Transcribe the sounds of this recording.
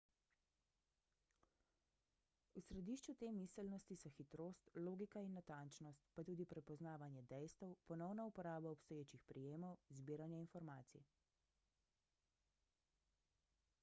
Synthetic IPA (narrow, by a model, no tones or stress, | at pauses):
usɾɛd̪iːʃt͡ʃut̪emisɛlnɔst̪isɔxit̪ɾoːst̪loːɡikainːat̪ant͡ʃnɔst̪pat̪uːd̪ipɾɛpɔznaːʋanjɛd̪ɛjst̪əwpɔnɔwnaupɔɾaːbaɔpst̪ɔjeːt͡ʃixpɾʔijeːmɔwzbiːɾanjɛinfɔɾmaːt̪sḭ